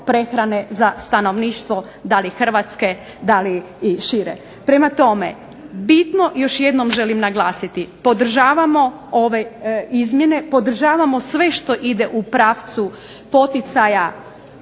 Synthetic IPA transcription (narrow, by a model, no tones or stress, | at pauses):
pɾe̞xɾane̞zast̪ano̞ʋniːʃt̪ʋo̞ | d̪alixr̩ʋat̪ske̞ | d̪aliː | ʃiɾḛ | pɾe̞mat̪o̞me̞̰ | bit̪no̞jo̞ʃje̞d̪no̞mʒe̞limnaɡlˠaːsit̪ipo̞d̪r̩ʒaːʋamo̞ | oʋe̞izmjene̞po̞d̪r̩ʒaːʋamo̞sʋe̞ʃt̪o̞ʔid̪e̞ʔupɾaːʋt̪su | po̞t̪it̪saja